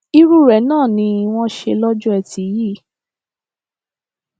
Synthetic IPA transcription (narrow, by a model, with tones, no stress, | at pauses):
i˦ɾu˦ɾɛ˨˦nãː˦˨nĩ˧w̃ɔ̃˦ʃe˧lɔ˦d͡ʒu˦ɛ˧ti˨˦ji˦˨